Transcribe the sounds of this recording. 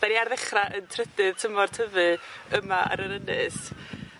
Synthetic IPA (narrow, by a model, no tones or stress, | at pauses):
daniarðɛχraʔəntʰrɛdɨð̥tʰəmɔrtʰəvɨəmaʔa̰ɾəɾənɨs